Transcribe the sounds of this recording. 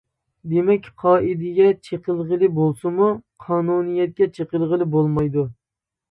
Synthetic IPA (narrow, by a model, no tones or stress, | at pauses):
d̪emɛkʲqʰɑːʔid̪ɪɡʲɛt͡ʃʰeqəlˠʁəlˠɪbolˠsɨmuqʰɑːnunijɛt̪̚kʲɛt͡ʃʰeqəlˠʁəlˠɪbolˠmɑjd̪u